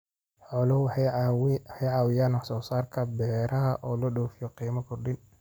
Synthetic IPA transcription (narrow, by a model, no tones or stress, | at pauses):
ħɔlɐw | hɛjʕaːwɪjaːnɔħsɔːsaːrkʰɐbɛːɾɐɦɐʔɔːlɔɗɔːfɪjɔqiːmɐkʰʊrɗɪn